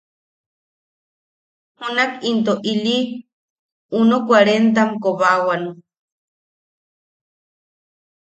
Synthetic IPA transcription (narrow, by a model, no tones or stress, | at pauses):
hunakint̪oʔili | unokwaɾent̪̬amkoβawanu